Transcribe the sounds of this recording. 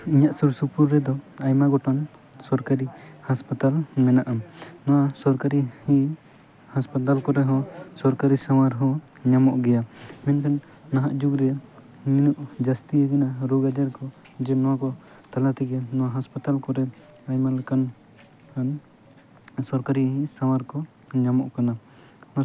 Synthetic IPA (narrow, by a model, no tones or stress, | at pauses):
iɲaʔsuɾsupuɾːɛd̪ɔajmaɡɔʈan | sɔɾkaɾihaspat̪almɛnaʔamnɔwasɔɾkaɾihi | haspat̪alkɔɾɛɦɔ̃sɔɾkaɾisamaɾɦɔ̃ | ɲamɔʔɡɛjamɛnkanː | aɦaʔd͡ʒuɡɾɛ | minuʔd͡ʒast̪iɛkanaɾoɡad͡ʒaɾkɔ | d͡ʒɛnɔwakɔ | t̪alat̪ɛɡɛnɔwaɦaspat̪alkɔɾɛ | ajmalɛkan | kan | sɔɾkaɾiɦĩsawaɾkɔ | ɲamɔʔkana | n